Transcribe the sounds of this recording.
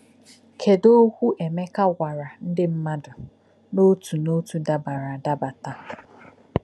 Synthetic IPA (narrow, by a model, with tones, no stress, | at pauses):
kʰe˨do˦kʷu˦ʔe˨me˦ka˦ɣʷa˨ɾa˨n̩˦dɪ˦m̩˦ma˦dʊ˨ | no˦tu˨no˦tu˨da˨ba˨ɾa˨da˦ba˨ta˦